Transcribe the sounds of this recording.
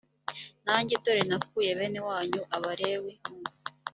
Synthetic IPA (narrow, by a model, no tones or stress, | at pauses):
naːɲɟedo̞ɾenakkuje̞βe̞ːnewaːɲuʔaβaɾe̞wemu